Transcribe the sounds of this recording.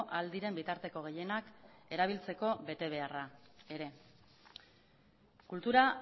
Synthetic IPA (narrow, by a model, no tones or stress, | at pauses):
ʔald̪iɾe̞mbit̪aɾt̪e̞ko̞ɣ̞e̞je̞nake̞ɾaβ̞ilt͡se̞ko̞βe̞t̪e̞β̞e̞arae̞ɾe̞ | kult̪uɾa